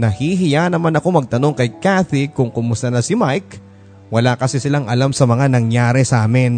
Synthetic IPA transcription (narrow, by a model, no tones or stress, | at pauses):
nɐhiɦɪjanɐmanɐko̞mɐɡ̚t̪ɐno̞ŋkɐjkaθikʊŋkʊmʊst̪ɐnɐsɪmajk | wɐlakɐsɛsɪlaŋʔɐlamsɐmɐŋanɐŋjaːɾɛsʔaːmɪn